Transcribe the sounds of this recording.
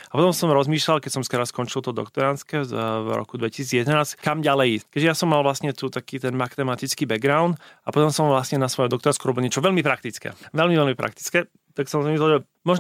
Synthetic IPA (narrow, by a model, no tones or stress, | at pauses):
apɔt̪ɔ̃msɔmɾɔzmiːʃlalkɛcsɔmskɛɾaskɔnt͡ʃilt̪ɔd̪ɔ̰kt̪ɔɾanskɛvɾɔ̰kud̪ʋɛcisiːd͡zjɛd̪ɛnaːskamɟalɛjiskɛɟʒɛjasɔmːalʋlasɲɛt̪ut̪akiːt̪ɛnmakt̪ɛmat̪it͡skiːbɛɡɡɾaʊnt̪apɔt̪ɔmsɔmʋlasɲɛnasʋɔjɛmd̪ɔkt̪ɔɾanskuɾɔbilɲɛt͡ʃɔʋɛʎmipɾakt̪it͡skɛ̰ʋɛlmivɛlmipɾa̰k̚t̪i̥t͡skɛ | t̪aksɔmzmislɛlʒɛ | mɔʒ